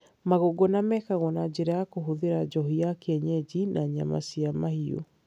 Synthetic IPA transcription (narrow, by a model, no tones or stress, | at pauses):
maɣoɡɔnamɛkaɣɔnad͡ʑeɾajakoɦoðeɾad͡ʑɔɦiakeɛɲɛd͡ʑinaɲa̰ma̰siamahio̰